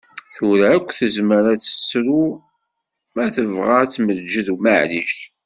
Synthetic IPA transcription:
θʊɾaːkʷːθəzməɾæt͡sːə̥sɾu | mæθəvʁat͡sːməd͡ʒəðumaʕliʃ

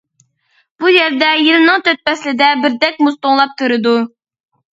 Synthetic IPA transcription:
b̥ujɛɾd̪ɛjilɨnɨŋt̪ʰøt̪̚pɛslɪd̪ɛbɪɾd̪ɛk̚ʲmust̪oŋlˠɑp̚t̪ʰuɾɨd̪u

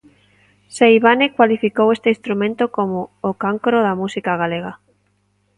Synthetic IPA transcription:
sejβanekwalifikowest̪eĩnst̪ɾumẽnt̪okomoːkaŋkɾoðamusikaɣ̞aleɣa

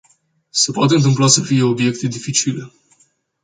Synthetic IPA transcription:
se̞poat̪eɨnt̪̬ɨmplasəfije̞obje̞k̚t̪ed̪ifit͡ʃile̞

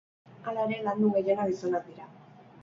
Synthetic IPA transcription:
alaeɾe̞land̪uɣejeɾaɣisonak̚d̪iɾa

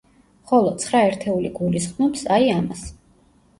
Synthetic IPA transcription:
χɔlˠɔt̪sʰχɾaɛɾt̪ʰɛuliɡulisχnɔpsaiama̰s

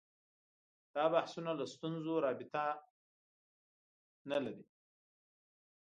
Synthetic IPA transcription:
d̪̥ɑbahsunalast̪unzoɾɑbɪt̪a | nalaɾi

